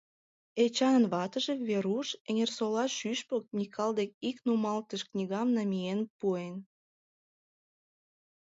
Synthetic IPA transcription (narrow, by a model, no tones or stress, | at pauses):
et͡ɕɑnənβɑt̪əʒeβeɾuʃeŋʲersolɑʃyʃpok̚nʲikʰɑld̪ek̚iknumɑlt̪əʃknʲiɣɑmnɑmʲienpuen